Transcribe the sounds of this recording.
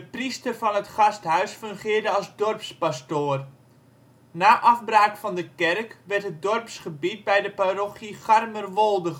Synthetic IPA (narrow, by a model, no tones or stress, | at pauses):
dəpristərfɑnətχɑstɦœɥsfɵŋχɪːrdəɑlˠzdɔrpspastoːər | naːʔɑfbraːkfɑndəkɛrkʋɛrtɦət̚dɔrpsχəbit̚bɛjdəparoχiχarmərʋolˠdə